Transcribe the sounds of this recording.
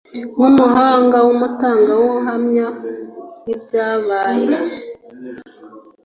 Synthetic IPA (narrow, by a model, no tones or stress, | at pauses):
numuhaːŋɡawomutaːŋɡawoɦamɲanibjaβaːje